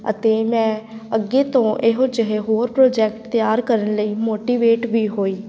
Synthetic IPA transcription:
ə̰t̪eːmɛ̃ːəɡeːt̪õːʔɪɦõːd͡ʒəɦeɦoːɾpɾoːd͡ʒɛːk̚ʈ̚t̪jaːɾkəɾənləiːmoːʈiːʋeːʈʋiːɦoːiː

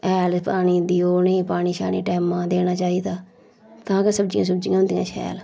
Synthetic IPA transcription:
ɛːlpaːɳiːd̪iːoːneːpaːɽ̃iːʃa̰ːnḭːʈɛːmãːd̪eːñaːt͡ʃaːiːd̪aː | t̪ãːkɪsəbd͡ʒɪ̃ãːs̬əbd͡ʒɪjãɦʊnd̪ijã̰ːt͡ʃʰɛ̰ːl

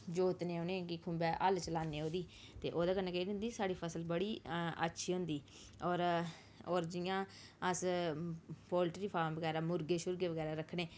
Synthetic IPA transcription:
d͡ʒoːt̪neːoːnẽːkɪkʰʊ̃mbɛːʔəlt͡ʃəlaːneːoːd̪iː | t̪eːʔoːd̪aːkənaːkɛʊ̃nd̪iːsaːɽiːpʰəsəlbəɽiːə̰tːʃʰiːɦõnd̪iː | ɔːɾ | ɔːɾd͡ʒɪjãː | əs | pɔːlʈɾiːpʰaːɾmʋəɡɛːɾaːmʊɾɡeːʃʊɾɡeːʋəɡɛːɾaːɾəkʰːɽeː

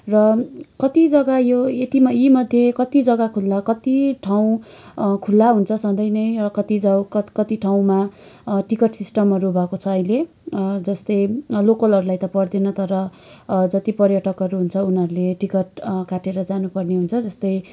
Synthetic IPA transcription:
rʌkʌt̪id͡zʌɡajoet̪imʌjimʌd̪ʱjekʌt̪id͡zʌɡakʰulːakʌt̪iʈʰaw̃kʰulːaɦunt͡sʰʌsʌnd̪ʌjnʌjrʌkʌt̪id͡zawkkʌt̪iʈʰaw̃maʈikʌʈsisʈʌmɦʌɾubʱʌkot͡sʰʌːjle | d͡zʌst̪ʌjlokʌlɦʌɾulajt̪ʌpʌrd̪inʌt̪ʌɾʌ | d͡zʌt̪ipʌrjʌʈʌkɦʌɾuɦunt͡sʰʌunʌɾuleʈikʌʈkaʈeɾʌd͡zanupʌrneɦunt͡sʰʌd͡zʌst̪ʌj

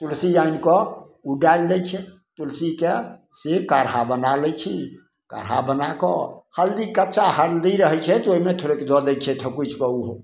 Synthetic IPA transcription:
t̪ulsiainkɔ | uɖaild̪ɛjt͡ʃʰɛ | t̪ulsike | sekaɾɦabənaləjt͡ʃʰi | ka̰ɾɦa̰bənakɔ̰həld̪ikətːʃahəɾd̪iɾəɦɛt͡ʃʰɛt̪oɦimet̪ʰoɾeked̪ɔd̪ɛjt͡ʃʰɛt̪ʰəkut͡ʃʰkɔuɦ

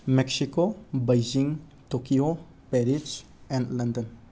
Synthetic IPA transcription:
mɛksikobajd͡ʒiŋ | tokio | pɛɾid͡ʒ | ɛ̃ndlɐndən

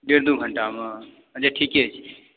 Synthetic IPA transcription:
ɖeɾd̪uɡʱəɳʈamã | ət͡ʃʰaʈʰiːkiet͡ʃʰi

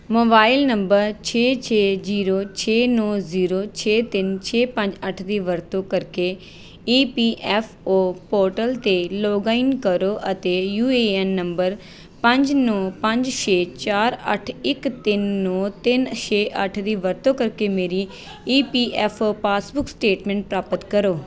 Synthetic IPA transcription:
moːbaːɪlnəmbəɾt͡ʃʰeːt͡ʃʰeːziːɾoːt͡ʃʰeːnɔːziːɾoːt͡ʃʰeːt̪ɪnt͡ʃʰeːpə̃ɲd͡ʒəʈʰd̪iːʋəɾt̪õːkəɾkeː | iːpiːʔɛːpʰoːpoːɾʈəlt̪eːlɔːɡaːinkəɾoːʔət̪eːjuːeːɛːnːəmbəɾ | pə̃ɲd͡ʒnɔːpə̃ɲd͡ʒʃeːt͡ʃaːɾə̰ʈʰɪkt̪ɪnːɔːt̪ɪnʃeːʔəʈʰd̪iːʋəɾt̪õːkəɾkeːmeːɾiː | iːpiːʔɛːpʰoːpaːsbʊksʈeːʈmɛ̃ːɳʈ̚pɾaːpət̪kəɾoː

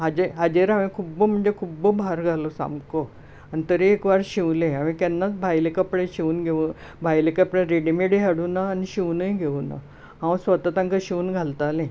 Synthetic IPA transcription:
ɦad͡ʑeɦad͡ʑeɾamĩkʰubəm̤əɳd͡zekʰubəbʱaɾɡʱalosã̰mko | anit̪əɾiekʋaɾɕiʋlẽam̃ik̪ɛnːat͡sbʱajlekəpɽẽɕiuːnɡʱeun | bʱajlekəpɽẽɾeɽimeɽiɦaɽuːnaːniɕiʋnəjiɡʱeʋuna̰ | ɦãwsʋət̪at̪ãŋkəɕiunɡʱalt̪alẽ

